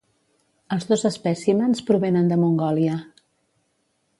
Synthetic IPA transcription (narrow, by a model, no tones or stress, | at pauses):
əlˠzðozəspɛsimənspɾuβenənd̪əmuŋɡɔliə